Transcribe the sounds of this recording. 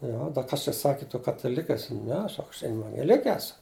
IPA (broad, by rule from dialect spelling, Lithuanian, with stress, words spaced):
ˈjoː ˈdɐ ˈkɐs t͡ʃʲɛ ˈsɑːkʲɪ tʊ kɐtɐˈlʲɪkʲ ɐˈsʲɪ ˈnʲɛ ˈsɐk ɐʃ ɛʋɐŋʲɡʲɛˈlʲɪkʲɛ ˈæːsʊ